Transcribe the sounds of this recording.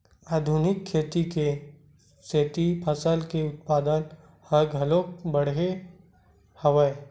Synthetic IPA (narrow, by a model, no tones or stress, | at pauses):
aːd̪ʱʊnɪkʰːeːt̪ike | seːt̪ipʰəsəlkeʊt̪̚paːd̪ən | həɡɦɐloːk̚bəɽɦe | hɐʋəe